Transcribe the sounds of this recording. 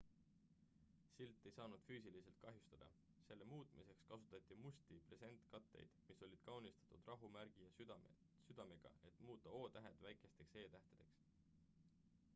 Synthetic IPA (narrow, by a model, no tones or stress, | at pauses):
silt̪ˑːe̞jsɑːnud̪̥fyːsilise̞lt̪̚kɑɦjust̪ɑd̪̥ɑ̰ | se̞lːe̞muːt̪ˑmise̞kskɑsut̪ːˑɑt̪ʲːˑimusʲt̪ipre̞se̞nt̪kɑt̪ːe̞̰jd̪̥miso̞lʲid̪̥̚kɑwnist̪ɑ̥t̪ud̪̥rɑɦumæɾɡ̥ijɑ | syd̪̥ɑmeɡ̥ɑ̰e̞t̪ˑmuːt̪ːˑɑo̞ːt̪æɦe̞t̪væjkˑe̞st̪e̞kse̞ːt̪æht̪ed̪̥e̞̰ks